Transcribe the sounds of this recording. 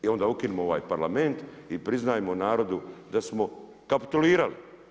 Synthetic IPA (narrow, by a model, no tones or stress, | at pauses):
io̞nd̪aukinemoo̞ʋa̰ːjpaɾlame̞nt̪ipɾiznaːjemonaːɾo̞d̪ud̪asmo̞ | kapi̥t̪uliːɾali